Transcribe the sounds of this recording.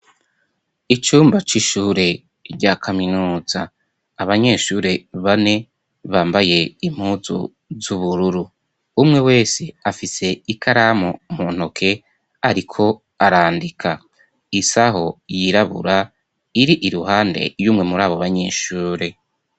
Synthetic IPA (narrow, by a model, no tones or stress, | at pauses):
it͡ʃuːmbat͡ʃiʃuːɾe̞ | ɾɟakʰaminuːz̥aː | βaɲe̞ːʃuːɾe̞βane̞ | βaːmbaje̞im̥huːzṵ | zuβuɾuɾu | umŋe̞we̞ːse̞afise̞ikʰaɾamomun̥hokʰe̞ | aɾikʰo̞ | aɾaːndikʰa | isaɦo̞jiɾaβṵɾa | iɾiʔiɾuhaːnde̞̰juːmŋe̞muɾaːβoβaɲe̞ːʃuːɾe̞